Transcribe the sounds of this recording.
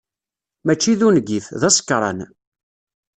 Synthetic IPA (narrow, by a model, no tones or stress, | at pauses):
mæt͡ʃːiðunəɡifðæsə̥kːɾˤɑ̰n